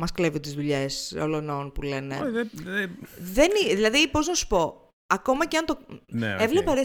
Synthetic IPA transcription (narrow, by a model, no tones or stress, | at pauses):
mɐskleviot̪izðuʎeso̰lononpule̞neðððeniðilɐðipo̞znɐsu̥po̞ | ɐko̞mɐceɐnt̪onevlepɐɾe